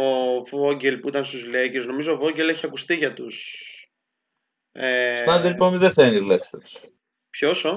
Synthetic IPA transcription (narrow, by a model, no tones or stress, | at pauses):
ovoɟelpuit̪ɐnst̪uzleceznomizo̞ːvo̞ɲɟe̞le̞çiɐkust̪iʝɐt̪us | et̪ɐnd̪iliponmiðeθenilest̪es | pçoso